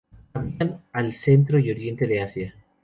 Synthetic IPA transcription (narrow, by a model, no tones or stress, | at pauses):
t̪ambjanalse̞nt̪ɾo̞jo̞ɾje̞nt̪e̞ðeasja